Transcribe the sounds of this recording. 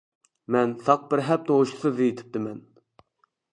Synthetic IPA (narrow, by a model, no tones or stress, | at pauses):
mɛnsɑq̚bɪɾɦɛp̚nɨoʃʰsɨd̪ijit̪ʰɪ̥p̚t̪ɪmɛn